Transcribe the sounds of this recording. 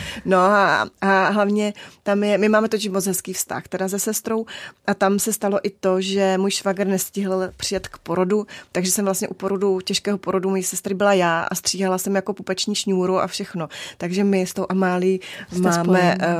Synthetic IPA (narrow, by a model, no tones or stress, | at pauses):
no̞aʔaɦlavɲɛt̪amjɛmɪmaːmɛt̪ocɪʃmot͡sɦɛskiːfst̪a̰xt̪ɛdazɛsɛst̪ɾo̞wʔat̪amsɛst̪alo̞ʔɪt̪o̞ʒɛmuːjʃvaɡrnɛscɪɦl̩pr̥ɪjɛt̪kpo̞ɾo̞dut̪aɡʒɛsɛmvlast̪ɲɛʔupo̞ɾo̞ducɛʃkɛːɦo̞po̞ɾo̞dumojisɛst̪ɾɪbɪlajaːʔa̰st̪r̝̥iːɦalasɛmjako̞pupɛt͡ʃɲiːsɲuːɾoʔa̰fʃɛxno̞t̪aɡʒɛmɪst̪owʔamaːliːmaːmɛ